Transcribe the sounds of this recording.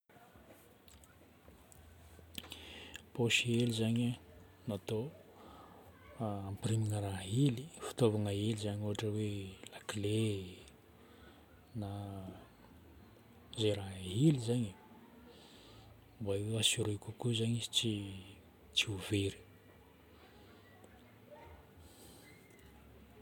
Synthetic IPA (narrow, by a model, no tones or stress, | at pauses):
poʃielizaɲa | nat̪o | ampriminəɾaɦilifi̥t̪ovaŋaelizaɲuɦaʈ͡ʂəwelakle | na | zeɾaɦɦilizaɲi | baeasiɾikukuzaɲit͡si | t͡siuveɾi̥